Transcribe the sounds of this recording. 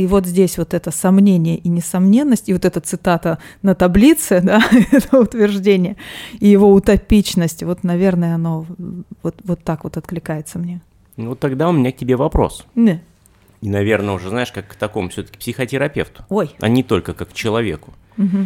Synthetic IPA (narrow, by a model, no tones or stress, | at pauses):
ivo̞t̪zʲdʲesʲvo̞t̪ɛt̪əsɐmnʲenʲɪjəʔinʲɪsɐmnʲe̞nːəsʲtʲɪvo̞t̪ɛt̪ət̪sɨt̪at̪ənət̪ɐblʲit̪sɨd̪aɛt̪əʊt̪vʲɪrʐdʲenʲɪjəijɪvo̞ʊt̪ɐpʲit͡ɕnəsʲtʲvo̞t̪nɐvʲe̞rnəjəɐno̞vot̪vot̪ːakvo̞t̪ɐt̪klʲɪkajɪt̪səmnʲe | not̪ːɐɡd̪aʊmʲɪnʲak̚tʲɪbʲevɐpɾo̞̰sn | inɐvʲe̞rnəʊʐɛznaɪʂkakːt̪ɐkomʊfsʲɵt̪ə̥kʲɪ̥psʲɪxətʲɪɾɐpʲeft̪ʊ̥ojɐ̰nʲɪt̪o̞lʲkəkakːt͡ɕɪlˠɐvʲekʊ̥ | m̩ɦm̩